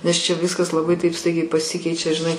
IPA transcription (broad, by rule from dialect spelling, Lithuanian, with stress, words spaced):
nʲɛs t͡ʃʲɛ ˈʋʲɪskɐs lˠɐˈbɐɪ tɐɪp ˈstɐɪɡʲɛɪ pɐˈsʲɪkʲɛɪt͡ʃʲɛ ʒʲɪˈnɐɪ